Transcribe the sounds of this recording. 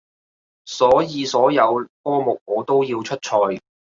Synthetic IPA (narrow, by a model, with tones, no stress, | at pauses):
sɔː˨˥jiː˨˧sɔː˨˥jɐ˨˧wkɔː˥mʊ˨k̚ŋɔː˨˧t̪o˥wjiː˧wt͡ʃʰɵ˥t̚t͡ʃʰɔː˧j